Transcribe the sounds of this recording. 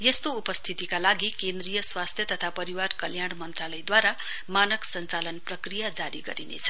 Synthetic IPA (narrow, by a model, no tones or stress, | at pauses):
jest̪oupʌst̪ʰit̪ikalaɡikend̪rijʌswast̪ʰjʌt̪ʌt̪ʰapʌɾiwarkʌljaɽmʌnt̪ralʌjd̪waɾa | manʌksʌnt͡salʌnprʌkrijad͡zaɾiɡʌɾinḛt͡sʰʌ̥